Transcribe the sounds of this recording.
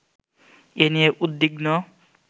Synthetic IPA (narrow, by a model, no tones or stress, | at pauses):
enieʔud̪ːiɡnɔ